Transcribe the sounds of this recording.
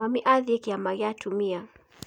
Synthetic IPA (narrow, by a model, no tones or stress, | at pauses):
amiʔaðiɛkiamaɣiatʰumia